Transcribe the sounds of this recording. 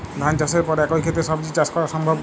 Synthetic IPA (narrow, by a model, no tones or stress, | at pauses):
d̪ʱant͡ʃaseɾpɔɾɛkojkʰet̪ɾeʃɔbd͡ʑit͡ʃaskɔɾaʃɔmbʱɔb